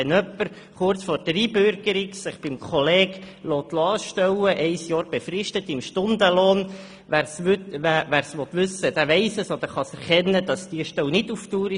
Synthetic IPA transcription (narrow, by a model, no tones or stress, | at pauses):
ɛnœpːəɾ | χʊɾt͡sfoːɾd̥əɾiːbʏɾɡ̥əɾiksɪχb̥ɪmkχɔleːɡlɔːt̪lɑːʃtœwəʔɛɪsjɑːɾb̥efrɪʃtətɪmʃtʊnd̪əlɔːn | ʋæɾstæʋæːɾsʋɔt̪ʋʉsəd̥̪æːʋɛɪsəsɔd̪əɾχɑsɛɾχɛnːəd̥ɑsd̥iːəʃtɛwnɪduftuːɾ